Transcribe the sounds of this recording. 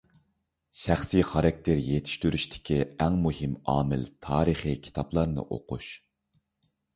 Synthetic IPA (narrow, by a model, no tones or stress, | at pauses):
ʃæχsiχɑɾɑk̚ʲt̪ʰeɾjet̪ʰi̥ʃt̪yɾyʃt̪ʰɪ̥kʲiæŋmuɦɪmɑːmɪ̰lt̪ʰɑːɾɨχikʲʰi̥t̪ʰɑplˠɑɾnɨ̰ʔo̰qʰṵʃ